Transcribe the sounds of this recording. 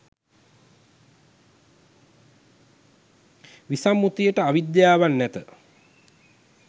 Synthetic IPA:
ʋisamːut̪ijəʈəaʋid̪jaːʋanːæt̪ə

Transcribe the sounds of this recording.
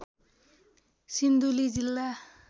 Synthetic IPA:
sind̪ulid͡ʑilːa

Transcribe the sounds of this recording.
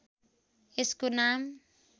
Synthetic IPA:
eskunam

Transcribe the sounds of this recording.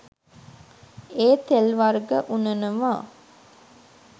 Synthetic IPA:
eːt̪elʋarɡəʔunənəʋaː

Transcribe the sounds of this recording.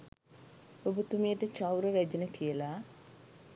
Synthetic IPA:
obut̪umijəʈət͡ʃawɾəʋæd͡ʒənəkijəla

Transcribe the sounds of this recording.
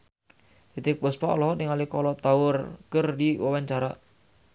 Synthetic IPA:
d̪it̪ipəspaʔlɔɦnɪŋalikɔlɔt̪aʊrkərdiwawaɲt͡ʃaɾa

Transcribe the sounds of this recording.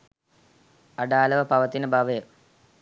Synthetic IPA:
ɐɖaːlɐʋɐpɐʋɐt̪ːinɨbɐʋe

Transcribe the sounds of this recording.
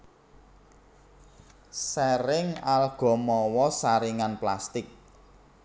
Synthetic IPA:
sɛɾɪŋalɡ̥ɔ̤mɔwɔsaɾiŋanplast̪ɪk̚

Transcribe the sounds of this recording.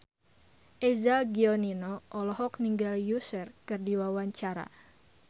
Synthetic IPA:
ʔɛzaɡiɔninɔʔɔlɔɦɔk̚niŋɡaljusərkɨrdiwawaɲt͡ʃaɾa̰

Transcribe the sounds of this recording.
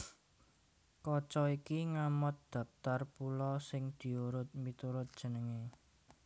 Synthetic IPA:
kɔt͡ʃɔikiŋamɔt̪̚d̪̥ä̤pt̪arpulɔsɪŋd̪̥i̤uɾʊt̪̚mit̪uɾʊt̪̚d̥ʒ̥ə̤nəŋe

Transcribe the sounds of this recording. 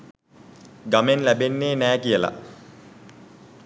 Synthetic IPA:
ɡamenlæbenːeːnæːkijəla̰

